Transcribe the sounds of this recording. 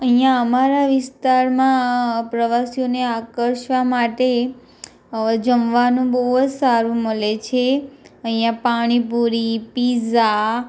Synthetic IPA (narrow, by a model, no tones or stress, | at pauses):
əɦĩjaəmaɾaʋɪst̪aɾmãpɾəʋasijoneakəɾʃʋamaʈe | d͡ʒəmʋanũbəɦod͡ʒsaɾũməlet͡ʃʰeəɦĩjãpaɽ̃ipuɾipiza